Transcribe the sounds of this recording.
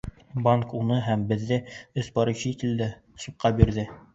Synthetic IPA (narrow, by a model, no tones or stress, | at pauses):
baŋkunɤɦæmbɘ̆ðːɘɵ̆sbɒɾɤ̆ɕɤit̪ɘ̆ld̪æ | sɤ̆p̚qɑbiɾðɘ